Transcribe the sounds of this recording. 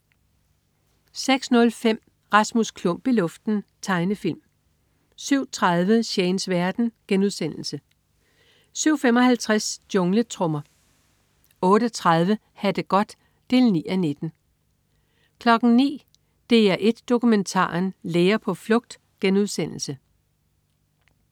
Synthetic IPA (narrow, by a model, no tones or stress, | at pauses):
seɡ̥snɔ̽lfem̰ | ʁɑ̈smuskʰlɔ̽m̰b̥ilɔ̽fd̥n̩t͡sʰɑ̈ɪnəfilm | syʊ̰t͡sʰʁaðˠʋəɕeɪnsʋæɐd̥n̩ɡ̥enuðˠsen̰l̩sə | syʊfem̰ɒ̽hælt͡sʰʁasd̥jɔ̽ŋlət͡sʰʁɔ̽mɐ | ɔ̽ːɾ̥ət͡sʰʁɑð̞ˠʋə | hæd̥əɡ̥ɒ̽d̥ː | e̝ːlnḭːæne̝d̥n̩ | kʰlɒ̽ɡ̥n̩nḭː | d̥e̝æɐʔe̝d̥ːo̝kument͡sʰɑ̰̈ːnleːɐpʰɒ̽flɔ̽ɡ̥̚d̥ | ɡ̥enuðˠsen̰l̩sə